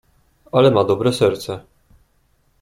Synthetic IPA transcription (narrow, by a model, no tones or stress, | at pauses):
alɛmad̪ɔbɾɛsɛɾt̪sɛ